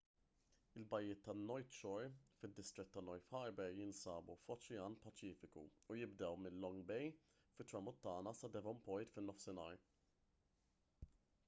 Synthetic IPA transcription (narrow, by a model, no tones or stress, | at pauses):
ɪlbɐjːɪːt̪ːɐnːɔjt̪ʃɔɾfɪd̪ːɪst̪ɾɪt̪ːɐnːɔjfħɐɾbɛɾjɪnsɐːbufɔt͡ʃɪjɐːnpɐt͡ʃɪːfɪkṵujɪbd̪ɛwmɪnːɔŋɡbɛj | fɪt̪ːɾɐmʊt̪ːɐːnɐsɐd̪ɛvɔmpɔjt̪fɪnːɔfsɪnɐːɾ